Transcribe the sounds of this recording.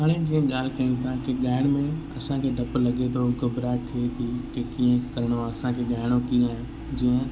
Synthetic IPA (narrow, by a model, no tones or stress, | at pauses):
ɦaːɽ̃ẽd͡ʑiːə̃ɠaːlkɐĩt̪ʰãkɪɠaːɪɽ̃mẽɐsãkʰeɖʱɐplɐɠet̪ʰoɡʊbɾaːʈ̚t̪ʰiet̪ʰiːkekiːə̃kɐɾɽ̃oɐsãkʰeɠaːɪɽ̃okĩaːɦɪ̃ | d͡ʑiːə̃